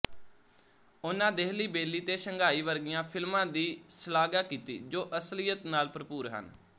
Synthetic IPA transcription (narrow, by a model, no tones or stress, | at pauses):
ʊnãːd̪eːɦliːbeːliːt̪eːsəŋɡʱaːiːʋəɾɡɪjãːpʰɪlmãːd̪iːsəlaːɡaːkiːt̪ḭːd͡ʒoːʔəslɪjət̪naːlpɾəpuːɾɦə̰n